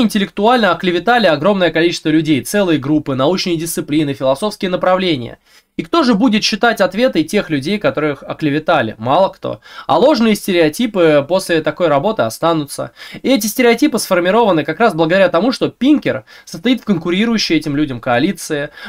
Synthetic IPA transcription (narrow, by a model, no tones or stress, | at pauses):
ɪnʲtʲɪlʲɪkt̪ʊalʲnəɐklʲɪvʲɪt̪alʲɪɐɡɾo̞mnəjəkɐlʲit͡ɕɪ̥st̪vəlʲʉdʲejt̪sɛlˠɨjəɡɾupːɨnɐut͡ɕnɨjədʲɪst̪sɨplʲinɨfʲɪlˠɐso̞fskʲɪjənəpɾɐvlʲenʲɪjə̰ | ikt̪o̞ʐɨbudʲɪt̪ɕːɪt̪atʲɐt̪vʲe̞t̪ɨtʲe̞xlʲʉdʲejkɐt̪o̞ɾɨɨxɐ̰klʲɪvʲɪt̪alʲɪ̰malˠəkt̪o̞̰ɐ̰lˠo̞ʐnɨjəsʲtʲɪɾʲɪɐtʲipɨpo̞sʲlʲɪt̪ɐkojɾɐbo̞t̪ɨɐst̪anʊt̪sə̰ɪɛtʲɪsʲtʲɪɾʲɪɐtʲipɨsfərmʲɪɾo̞vənɨkɐkɾasblˠəɡəd̪ɐɾʲat̪ɐmuʂt̪o̞pʲinkʲɪrsəst̪ɐit̪fkənkʊɾʲiɾʊjʉɕːɪjɛtʲɪmlʲudʲəmkəɐlʲit̪sɨɪ